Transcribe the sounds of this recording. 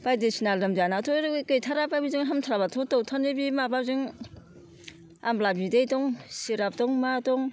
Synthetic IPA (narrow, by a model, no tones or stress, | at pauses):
pajdisinalɾɯmzanatʰɔɾɯkɯjtʰaɾababizɯŋɦamtʰaɾabatʰɔtɔwtʰanebimabazɯŋ | amlabidejdɔŋsiɾap̚dɔŋmadɔŋ